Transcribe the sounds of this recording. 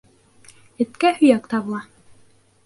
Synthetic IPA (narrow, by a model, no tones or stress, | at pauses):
ɘ̆t̪kæhɵ̆jækt̪ɑβɤ̆lˠɑ